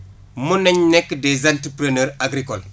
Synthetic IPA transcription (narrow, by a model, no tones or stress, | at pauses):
munɛɲnɛkːdezantipɾeneɾaɡɾikɔl